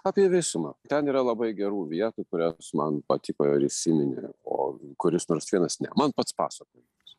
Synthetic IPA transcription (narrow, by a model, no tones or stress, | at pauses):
ɑːpʲiɛʋʲɪsʊmɐt̪ʲɛniːɾɐlˠɐbɐɪɡʲɛɾuːʋʲiɛt̪ukʊɾʲæsmɐnpɐt̪ʲɪkoːjoːɾʲɪsʲɪnʲɪnʲɪ̰o̰ːkʊɾʲɪsnoːrsʋʲiɛnɐsnʲɛmɐnpɐt̪spɑ̰ːsɐkoːjɪms